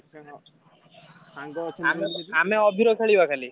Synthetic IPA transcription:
ameameɔbʱiɾɔkʰeɭibakʰali

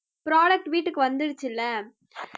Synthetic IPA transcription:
pɾaːɽɐk̚ʈʋiːʈːɯkːɯʋɐnd̪ɪɽɯt͡ʃːɪlːɐ

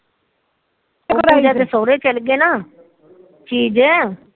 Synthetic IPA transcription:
id͡ʒɛːd̪esoːɾeːt͡ʃəlɡeːnaː | t͡ʃiːd͡ʒɛː

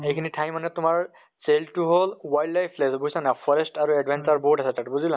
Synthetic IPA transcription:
ejkʰinitʰajmːanɛtʊmaɹ | seltuɦolwajlɖlajpʰlesbuisanapʰɔɹestaɹuɛdbʱansaɹbɔɦutasɛtatbuzilã

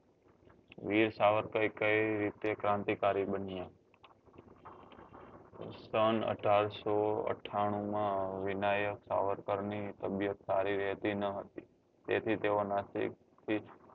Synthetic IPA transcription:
ʋiɾsaʋəɾkəikəiɾit̪ekɾãnt̪ikaɾibənijã | sənə̰ʈʰaɾsoə̰ʈʰaɽ̃ũmãʋɪnajəksa̰ʋəɾkəɾnit̪əbjət̪saɾiɾɛɦt̪inəɦət̪i | t̪ḛt̪ʰit̪eonasḭk̚ | t̪ʰi

